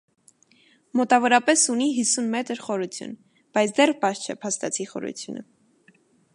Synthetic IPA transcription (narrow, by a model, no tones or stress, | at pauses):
mɔt̪ɑvɔɾɑpɛsuniɦisunmɛt̪əɾχɔɾut͡sʰjṵn | b̥ɑjt͡sʰd̪ɛrpɑʃt͡ʃʰɛpʰɑst̪ɑt͡sʰiχɔ̰ɾṵt͡sʰjṵnə̰